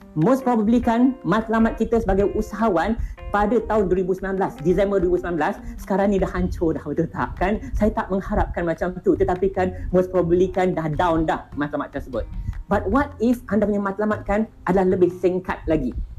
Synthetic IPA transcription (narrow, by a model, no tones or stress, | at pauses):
mospɾɔbəblikanmãt̪lamat̪̚kit̪əsəbaɡajʔusaɦawanpadət̪aʊnduwəɾibusəminãnblasdisɛmbərdwəɾibusəmlãnblasːə̥kaɾaŋnĩdahaɲt͡ʃodahwət̪ət̪aa̰p̚kansajat̪aʔ̚məŋhaɾap̚kanmat͡ʃamt̪ut̪ət̪apikanmospɾɔbəblikandahdawndahmat̪lama̰t̪̚ːərsəbʊt̪̚bat̪̚wat̪̚ifʔandapuɲamat̪lamat̪̚kanʔadalahləbɪhsiŋka̰t̪̚laɡi